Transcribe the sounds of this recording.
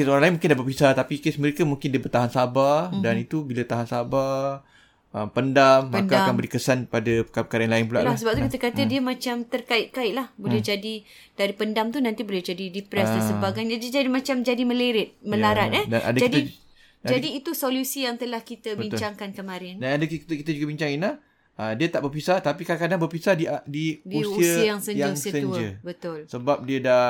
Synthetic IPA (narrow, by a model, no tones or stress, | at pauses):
kesoɾaŋlaɪinmũŋkɪndaʔpat̪̚bisat̪apikesməɾekamũŋkɪndiəbərt̪aɦansabadanit̪ubilat̪aɦansaba | ʔəmpəndamːnkaakanbəɾikəsanpadapəkapəkaɾaanlaɪnp̬ula̰ʔlahsəbap̚t̪ulakit̪əkat̪ədiəmãt͡ʃamt̪ərkaɪʔ̪̚kaɪʔ̪̚lahbolɛd͡ʒadi | d̥aɾipəndamt̪unãnt̪ibolɛhd͡ʒadidipɾɛsdanssəbaɡajɲadiəd͡ʒadimãt͡ʃamd͡ʒadiməleɾɪt̪̚məlaɾanɛdanʔa̰dəkd͡ʒaid̪ | d͡ʒadiːt̪usolusijaŋt̪əlahkit̪əbiɲtt͡ʃaŋkankəmãɾɛndanadəkt̪kit̪əd͡ʒuɡabiɲt͡ʃaŋina | ədiət̪aʔbərpisat̪apikadakadaŋbərpisadiadidiusuiəsiəjaŋsəɲjaəŋusiəsəud͡ʒəbət̪ʊlsəbap̚diəda